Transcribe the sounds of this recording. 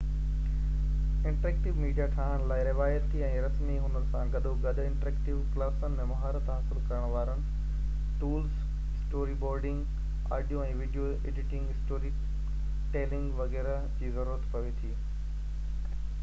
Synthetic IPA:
ɪ̃ɳʈɾeːk̚ʈɪʋmiːɖijaʈʰaːɦəñlaːɪɾɪʋaːjət̪ʰːiɛ̃ːɾɐsmiɦʊnənɪ̆sãɡɐɗ̪oɡɐɗʊ̆ɪ̃ɳʈɾeːkʈɪʋklaːsənɪ̆mẽmɐɦaːɾət̪ɦaːsɪlkɐɾəɽ̃ʋaːɾənɪ̆ | ʈuːls | ɪsʈoːɾibɔːɾɖɪ̃ŋɡ | a̰ːɖijoɛ̃ːʋiːɖijo | eːɖɪʈɪ̃ŋɡɦɪsʈoːɾi | ʈeːlɪ̃ŋɡʋɐɣɛːɾa | d͡ʑiːzɐɾuːɾət̪pɐʋet̪ʰiː

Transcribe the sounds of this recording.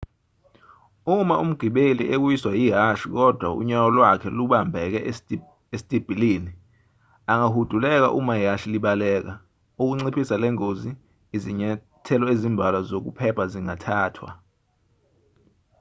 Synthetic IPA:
umaʔum̩ɡ̥ʱiɓelḭʔek̬wiswajiɦaʃik̬ɔd̥ʱwaṵɲawɔlwakʰɛluɓambʱɛk̬ɛ | esi̥tʼib̥ʱiliːni | aŋahud̥ʱulɛk̬a̰ʔumaiɦaʃiliɓalɛːk̬a | uk̬uŋ͡ǀipʰisalɛŋoziː | ziɲɛ | tʰɛlɔezimbʱalazok̬upʰɛpʰaziŋatʰaːtʰwa̰

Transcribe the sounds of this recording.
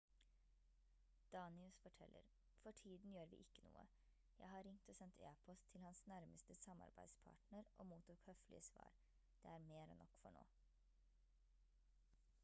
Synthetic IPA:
d̪̥ɑːnɪʉsfɔʈʰɛlʔə̰ɾ | fɔʈʰiːd̪n̩jøːɾʋḭːʔɪkːənṵːə̰ | jæ̰ɪɦɑɾɪŋt̪oːsɛnt̪ʰḛːpʰɔst̪ʰːɪlhɑnsnæɾməst̪əsɑmɑ̰ɾbæɪd̪spʰɑ̰ːʈɳəɾʔoːmuːt̪uːkhœflʔɪ̰əsʋɑ̰ːɾ | d̪̥eːæɾmeːɾo̰ːnʔɔkːfɔɳo̰ː

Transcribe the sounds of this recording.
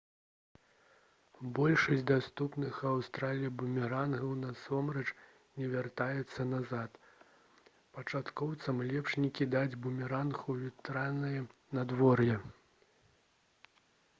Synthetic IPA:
bɔlʲʂɐsʲd̪ast̪upnɨxawst̪ɾalʲijibumʲiɾanɣɐwnasɔmɾɐt͡ʂ | nʲɛvʲart̪ajɛt̪sːɐnazat̪ | pɐt͡ʂat̪kɔwt̪sɐmlʲɛpʂnʲikʲid̪ad͡zʲbumʲiɾanɣuvʲit̪ɾanɨjɛ | nad̪vɔrjɛ

